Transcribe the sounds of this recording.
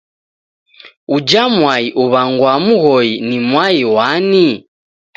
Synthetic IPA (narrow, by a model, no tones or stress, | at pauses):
ud͡ʒamwaiʔuβaŋɡwamuɣɔinimwaiwani